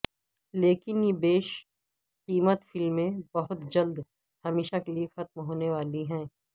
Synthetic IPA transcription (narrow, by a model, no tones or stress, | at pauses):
leːkɪnjebeːʃ | qiːmət̪fɪlmːẽbɐɦʊt̪d͡ʒɐld̪ | hɐmeːʃakeliexɐt̪̚mɦoːneʋaːliɦɛ̃ː